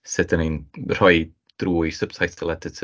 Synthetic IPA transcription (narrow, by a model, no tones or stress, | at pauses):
sɨdəninr̥ɔɨ | d̥ruːjsəb̥sajtd̥əlˠɛdɪtʰ